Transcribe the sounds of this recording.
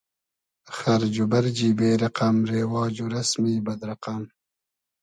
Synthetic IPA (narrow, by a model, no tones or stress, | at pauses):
xaɾd͡ʒubaɾd͡ʒiːbeːɾɐqamɾeːwɑːd͡ʒuɾasmiːbɐd̪ɾɐqam